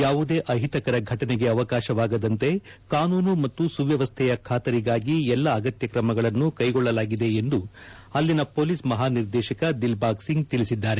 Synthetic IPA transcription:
jaːʋud̪e̞ːʔɐɦit̪ɐkɐɾɐɡʱɐʈɐneɡe̞ɐʋɐkaːʃɐʋaːɡɐd̪ɐnt̪e̞ | kaːnuːnumɐt̪ːusuʋjɐʋɐst̪ʰɛjɐkʰaːt̪ɐɾiɡaːɡiɛlːɐːɡɐt̪jɐkɾɐmɐɡɐɭɐnːukɐjɡɔɭːɐlaːɡid̪e̞end̪u | ɐlːinɐpo̞ːlismɐɦaːniɾd̪ɛːʃɐkɐd̪ilbaːksiŋɡt̪ilisid̪ːaːɾe

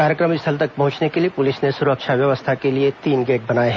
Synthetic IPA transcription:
kaːɾjəkɾəmɪsʰəlt̪ɐk̚pɐɦʊ̃t͡ʃnekeliepʊlɪsnesʊɾəkʃaʋjɐʋəst̪ʰakeliet̪iːnɡeːʈ̚bɐnaːeɦɛ̃

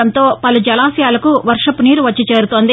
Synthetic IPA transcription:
ɐnt̪o̞ːpɐlud͡ʒɐlaːsijaːlɐkuʋɐɾʂɐpuniːɾuʋɐt͡ʃːit͡ʃe̞ːɾut̪oːnd̪

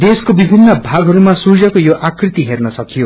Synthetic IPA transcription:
d̪eskobibʱinːʌbʱaɡʱɦʌɾumasuzʌkojoʔakrit̪iɦernʌsʌkijo

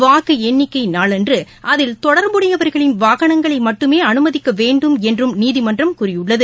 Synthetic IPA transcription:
ʋaːɣɯɛnːɪkːɐɪnaːɭɛndrɯ | ʔɐðɪlt̪ɔɽɐɾmbɯɽɐjɐʋɐɾɣɐɭɪnʋaːɣɐɳɐŋɡɐɭɐɪmɐʈːɯmeːɐnɯmɐðɪkːɐʋeːɳɖɯmɛndrɯmniːðɪmɐndrɐmkʊrɪjɯɭːɐðɯ

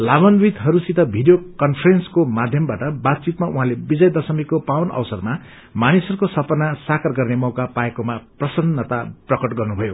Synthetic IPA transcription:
labʌnbid̪ɦʌɾusit̪ʌbʱiɖijokʌnpʰʌrenskomad̪ʱjʌmbaʈʌbat̪̚t͡sit̪maʔuɦãlebid͡zʌjd̪ʌsʌmikopawnʌ̰wsʌrma | manisʌɾukosʌpʌnasakʰʌrɡʌrnemʌwkapaekomaprʌsʌnːʌt̪aprʌkʌʈɡʌrnubʱʌjo

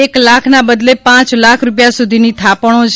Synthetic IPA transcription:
eklakʰnabəd̪lepãt͡ʃlakʰɾupjasud̪ʱinit̪ʰapɽ̃õt͡ʃʰ

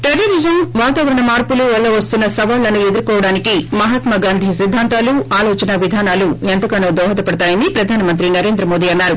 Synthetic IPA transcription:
ʈeliʋid͡ʒɐnʋaːt̪aːʋɐɾɐɳɐmaːɾpuluʋɐɭːɐʋɐst̪unːɐsɐʋaːlːɐnue̞d̪uɾkɔːʋɐɽaːnikimɐɦɐt̪mɐɡaːnd̪ʱisid̪ʱːaːnt̪aːluʔaːlɔːt͡ʃɐnɐʋid̪ʱaːnaːluɛnt̪ɐkɐnoːd̪ɔːɦɐt̪ɐpɐɽɐt̪aːjɐnipɾɐd̪ʱaːnɐmɐnt̪ɾinɐɾe̞ːnd̪ɾɐmo̞ːd̪iːɐnːaːɾu

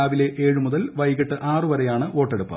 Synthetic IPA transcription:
aːʋile̞ʔeːɻumuðɐlʋɐjɣɐʈːɨʔaːrɨʋɐɾɐjaːɳɨʋo̞ːʈːeɽupːɨ̰

